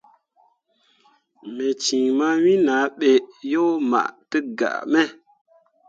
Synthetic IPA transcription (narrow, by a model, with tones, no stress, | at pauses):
me˨t͡ʃĩ˨ma˦wĩ˦na˨˦ɓe˨jo˦ma̰˨ʔtə˦ɡa̰˨ʔme˦